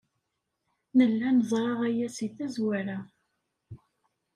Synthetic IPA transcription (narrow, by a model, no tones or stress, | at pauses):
nəlːænəzˤɾˤɑʁæjæsiθæzwæɾa